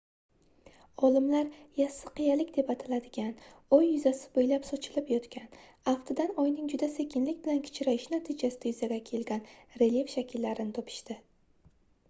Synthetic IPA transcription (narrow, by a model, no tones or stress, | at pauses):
ɒlɪmlaɾjasːɪ̥qɨjalɪkʲd̪e̞pat̪ʰɪlad̪ɪɡʲanɒjːʊzasɪ̥bojlapsɒt͡ʃʰɪlɪpjɒt̪kʲan | aft̪ʰɪd̪anɒjnɪŋd͡ʒʊd̪ase̞kʲɪnlɪkʲbɪlankʲʰɪ̥t͡ʃʰɾaɪʃnat̪ʰid͡ʒasɪd̪ajʊzaɡʲakʲʰe̞lɡʲanɾe̞lje̞fʃakʲʰɪlːaɾɪnɪt̪ʰɒpʰɪ̥ʃt̪ɪ